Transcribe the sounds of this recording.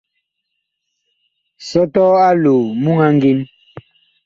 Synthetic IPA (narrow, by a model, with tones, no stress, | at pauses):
sɔ˦tɔ˦a˦lo˨mu˦ŋa˦ŋ˦ɡi˦n